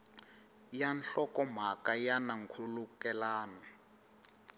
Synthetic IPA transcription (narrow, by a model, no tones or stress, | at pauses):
janɬɔkɔm̤akajanaŋkʰulukɛlaːna